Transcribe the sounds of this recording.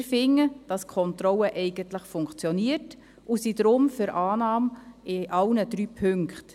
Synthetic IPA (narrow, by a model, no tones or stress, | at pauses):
ɾfɪŋːəd̥ɑskʰɔntɾɔlːəʔɛɪɡ̥əntləχfʊŋkt͡sjɔniːəɾt | ʔusidɾʊmfʏɾʔɑːnɑːmɪʔɑlnəd̥ɾyːpʰɵŋkχt